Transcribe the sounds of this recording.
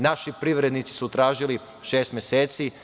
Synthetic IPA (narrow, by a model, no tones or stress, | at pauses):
naʃipɾiʋɾed̪nit̪si̥sut̪ɾaːʒili | ʃeːst̪mjeseːt̪si